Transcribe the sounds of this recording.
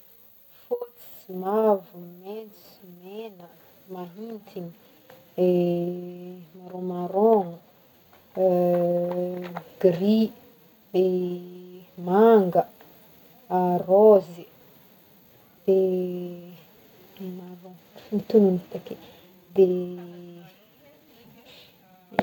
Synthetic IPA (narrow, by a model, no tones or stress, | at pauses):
fot͡si̥mavument͡s | menə | maɦint̪ʰiɲi | e | maɾõmaɾo | ɡɾi | d̪e | maŋɡə | arozi | d̪̥e | maɾõ | mit̪ununi̥t̪ake | d̪e